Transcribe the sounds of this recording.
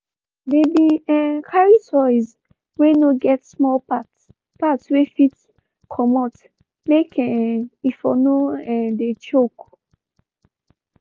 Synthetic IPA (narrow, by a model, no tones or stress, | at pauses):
debiɛkʰaɹisɔiz | wenoɡɛtsmɔlpat | patswefit | kʰɔmɔt | mekʰɛifɔnoɛ̃det͡ʃok